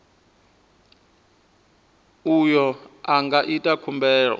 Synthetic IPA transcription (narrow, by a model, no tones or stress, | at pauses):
ujɔaŋɡaʔitʼakʰumbɛːɺɔ̰